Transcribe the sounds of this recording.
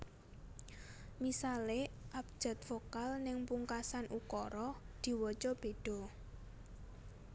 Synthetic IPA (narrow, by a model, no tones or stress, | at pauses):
misaleʔap̚d̥ʒ̥a̤t̪̚fokalnɪŋpuŋkasanʔukɔɾɔd̪̥i̤wɔt͡ʃɔb̥e̤ɖ̥ɔ̤